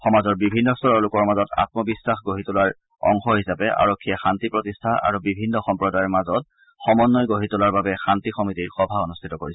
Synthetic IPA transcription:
xɔmazɔɹbibʱinːɔstɔɹɔlʊkɔɹmazɔta̰t̚mɔbisːaxɡoɦitʊlaɹ | ɔ̰ŋxɔhisapɛʔa̰ɹɔkʰːijaxantipɹɔtistʰaʔa̰ɹubibʱinːɔxɔmpɹɔdajɔɹmazɔt̚ | xɔmɔnːɔjɡoɦitʊlaɹbabɛxantixɔmitiɹxɔbʱaɔnustʰitɔkoɹisɛ

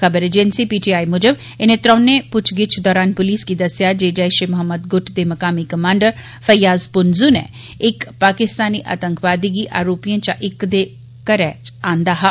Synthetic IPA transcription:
kəbəɾeːd͡ʒensiːpiːʈiːaːimʊd͡ʒəb | ɪnẽt̪ɾə̃ːnẽpʊt͡ʃʰɡɪt͡ʃʰd̪ɔːɾaːnpʊliːskid̪əsjad͡ʒeːd͡ʒajʃemʊɦəmːəd̪ɡʊʈʰd̪eːmɐkaːmikəmãːɳɖəɾ | fəjaːzpʊnzunḛ | ɪkpaːkɪst̪aːniːʔa̰ːt̪əŋkʰʋaːd̪iɡiʔa̰ːɾoːpijãt͡ʃaʔɪkd̪eː | kəɾɛːãːnd̪aːɦa

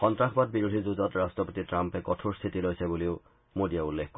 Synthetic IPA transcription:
xɔntɹaxbat̚biɹudʱizuzɔtɹastɔpotitɹampɛkɔtʰuɹst̪ʰitilojsɛbuliʊ | modijaulːexkɔ

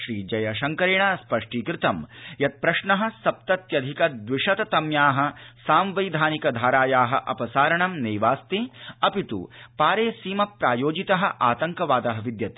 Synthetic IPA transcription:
ʃɾiːd͡ʒɐjɐʃɐŋkɐɾiɳɐspɐʂʈiːkɾɪt̪ɐmjɐt̪̚pɾɐʂɳɐɦɐ̆sɐp̚t̪ɐt̪jɐd̪ʱikɐd̪ʋiʂɐt̪ɐt̪ɐmjaːɦɐ̆saːmʋɐjd̪ʱaːnikɐd̪ʱaːɾaːjaːɦɐ̰ʔɐ̰pɐsaːɾɐɳɐmneːʋaːst̪iɐpit̪ṵpaːɾeːsiːmɐpɾaːjoːd͡ʒit̪ɐɦɐ̆ʔaːt̪ɐŋkɐʋaːd̪ɐɦɐʋid̪jɐt̪i̥

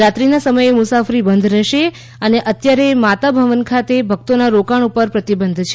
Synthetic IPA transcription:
ɾat̪ɾinasəməjemusafɾibənd̪ʱɾəʃe | əneʔət̪jaɾemat̪abʱəʋənkʰat̪ebʱəɡ̚t̪onaɾokaɳupəɾpɾət̪ibənd̪ʱt͡ʃʰe

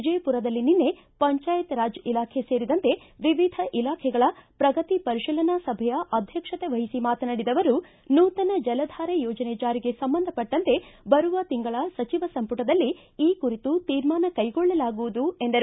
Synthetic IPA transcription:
d͡ʒɐjpuɾɐd̪ɐlːininːe̞ | pɐɲt͡ʃaːjɐt̪ɾaːd͡ʒilaːkʰe̞se̞ːɾid̪ɐnt̪e̞ | ʋiʋid̪ʱɐʔilaːkʰɛɡɐɭɐpɾɐɡɐt̪ipɐɾiʃilɐnasɐbʱɛjɐʔɐd̪ʱjɐkʂɐt̪eʋɐɦisimaːt̪ɐnɐɽid̪ɐʋɐɾu | nuːt̪ɐnɐd͡ʒɐlɐd̪ʱaːɾejɔːd͡ʒɐnet͡ʃaːɾiɡe̞sɐmbɐnd̪ʱɐpɐʈːɐnt̪e̞bɐɾuʋɐt̪iŋɡɐɭɐsɐt͡ʃiʋɐsɐmpuʈɐd̪ɐlːi | iːkuɾit̪ut̪iːɾmaːnɐkɐjɡɔɭːɐlaːɡuʋud̪ue̞nd̪ɐɾu

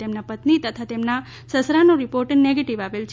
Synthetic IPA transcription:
emnapət̪nit̪ət̪ʰat̪emna | səsɾanoɾipoɾʈneɡeʈiʋaʋelt͡ʃʰ

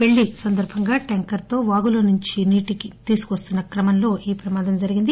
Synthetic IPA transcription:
ʋe̞ɭːisɐnd̪ɐɾbʱɐŋɡaːʈɐŋkɐɾt̪o̞ːʋaːɡuloːnuɲt͡ʃiniːʈikit̪iːsu̥kʋɐst̪unːɐkɾɐmɐnlo̞ːʔiːpɾɐmaːd̪ɐmd͡ʒɐɾiɡind̪i

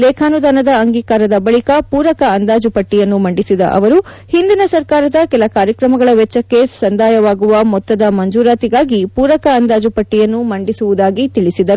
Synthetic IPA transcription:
lɛːkʰaːnud̪aːnɐd̪ɐːŋɡiːkaːɾɐd̪ɐbɐɭikɐpuːɾɐkɐːnd̪aːd͡ʒupɐʈːijɐnːumɐɳɖisid̪ɐ̰ʔɐ̰ʋɐɾu | hind̪inɐsɐɾkaːɾɐd̪ɐkɛlɐkaːɾjɐkɾɐmɐɡɐɭɐʋɛt͡ʃːɐkːe̞sɐnd̪ʱaːjɐʋaːɡuʋɐmɔt̪ːɐd̪ɐmɐɲd͡ʒuːɾaːt̪iɡaːɡipuːɾɐkɐːnd̪aːd͡ʒupɐʈːijɐnːumɐɳɖisuʋud̪aːɡit̪iɭisid̪ɐɾu

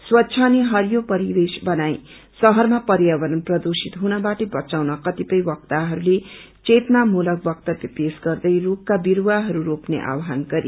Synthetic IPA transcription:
swʌtːsʰʌniɦʌrjopʌɾibesbʌnaj | sʌɦʌrmapʌɾjʌbʌnʌnprʌd̪usit̪ɦunʌbaʈebʌt͡sawnʌkʌt̪ipʌjbʌk̚t̪aɦʌɾule | t͡set̪namulʌk̚bʌk̚t̪ʌt̪jʌpesɡʌrd̪ʌjrukːabiɾwaɦʌɾuɾopnḛʔa̰wɦanɡʌɾḭ

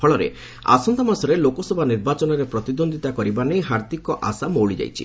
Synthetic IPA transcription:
pʰɔɭɔɾḛ | a̰sɔnd̪amasɔɾelokɔsɔbʱaniɾbat͡ʃɔnɔɾepɾɔt̪id̪ond̪ʱit̪akɔɾibanejɦaɾd̪ikɔʔa̰samoɭid͡ʒa̰jt͡ʃʰḭ

